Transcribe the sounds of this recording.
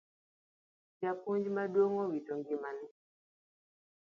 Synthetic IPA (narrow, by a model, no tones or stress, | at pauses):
d͡ʒapuɲd͡ʒmadwoŋɔwitɔŋɡɪman